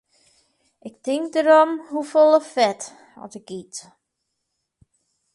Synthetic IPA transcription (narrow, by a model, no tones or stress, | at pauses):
ʔɪk̚tɪŋk̚dəɾɔmhufolˠəfɛt | ɔ̰tɪk̚ɡit